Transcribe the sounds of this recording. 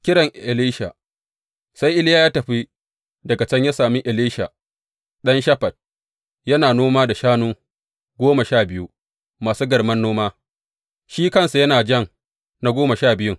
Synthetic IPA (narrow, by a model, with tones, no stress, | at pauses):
kʲɪ˦ɽɐ˨ŋʔʔɪ˨liː˦ʃa˨ | sa˦jʔɪ˦ljaː˦jaː˦tɐ˨ɸi˦ | dɐ˨ɡa˨t͡ʃɐ˦ɲja˦saː˨mi˦ʔɪ˨liː˦ʃa˨ | ɗɐ˦nʃɐ˦ɸɐ˨t̚ | jɐ˦naː˨noː˦maː˦da˨ʃaː˦nuː˦ | ɡʷoː˦ma˨ʃaː˦˨bɪ˦ju˦ | maː˨suː˦ɡɐ˨rmɐ˦nːoː˦maː˦ | ʃiː˦kɐ˦nsu˨jɐ˦naː˨d͡ʒɐ˦˨ŋ | na˦ɡʷoː˦ma˨ʃaː˦˨bɪ˦jʊ˦